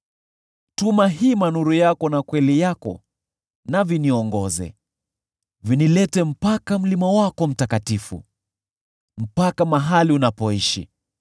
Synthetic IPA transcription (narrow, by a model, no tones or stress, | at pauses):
tumaɦimanuɾujakɔnakwɛlijakɔ̰ | naviniɔŋɡɔzɛ̰ | vinilɛtɛm̩pakam̩limawakɔm̩takatifṵ | m̩pakamaɦaliunapɔiʃḭ